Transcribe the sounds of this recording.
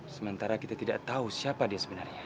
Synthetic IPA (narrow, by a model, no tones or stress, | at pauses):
səmənt̪aɾakit̪at̪idaʔt̪ausiapadiasəbənarɲa